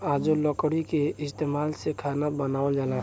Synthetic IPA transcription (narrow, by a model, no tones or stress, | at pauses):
ad͡ʒolɔkɽikeɪst̪eːmaːlsekʰanabənaːwld͡ʒaːla